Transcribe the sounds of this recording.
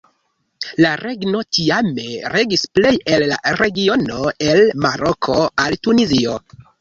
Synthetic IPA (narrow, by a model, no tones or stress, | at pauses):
laɾe̞ɡno̞tiame̞ɾe̞ɡisple̞jelːa̰ɾe̞ɡio̞no̞e̞lmaɾo̞kʰo̞altunizio̞̰